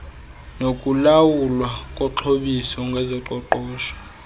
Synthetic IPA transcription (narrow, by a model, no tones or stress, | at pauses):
nokʼulawulwakʼɔǁʰoɓisɔŋɡʱɛzɔǃɔǃɔːʃɔ̥